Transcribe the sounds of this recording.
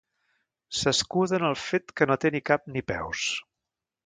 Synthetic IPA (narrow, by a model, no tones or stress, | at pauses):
səskuðənəlˠfet̪kənot̪enikap̚nipɛ̰ws